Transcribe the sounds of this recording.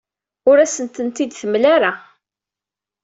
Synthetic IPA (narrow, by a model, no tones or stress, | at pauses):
ʊɾæsənt̪ənt̪id̪θəmlaɾa